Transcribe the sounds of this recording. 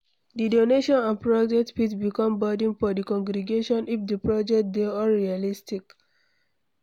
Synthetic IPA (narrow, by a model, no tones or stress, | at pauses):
didoneʃɔ̃nãnpɹɔd͡ʒɛk̚tpitbikɔ̃mbadĩŋfɔdikɔ̃ŋɡɾiɡeʃɔ̃nifdəpɹɔd͡ʒɛk̚t̚deɔɹialistik